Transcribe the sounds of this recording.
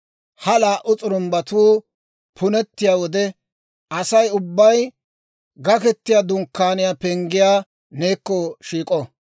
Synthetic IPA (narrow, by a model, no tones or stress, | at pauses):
hɐlaːʔʔʊt͡sʼʊɾʊmbɐt̪uː | pʰʊnɛt̪ːɪjaːwɔd̪ɛ | ɐsɐjʊbːɐj | ɡɐkɛt̪ːɪjaːd̪ʊŋkːaːnɪjaːpɛŋɡɪjaː | neːkːɔʃiːkʼɔ